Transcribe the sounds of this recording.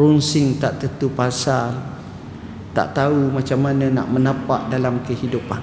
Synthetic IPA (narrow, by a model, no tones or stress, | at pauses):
ɾunsɪŋt̪aʔt̪ət̪upasal | t̪a̰ʔt̪aumãt͡ʃamːanə̃na̰ʔmə̃nãpaʔ̚dalamkəhidupan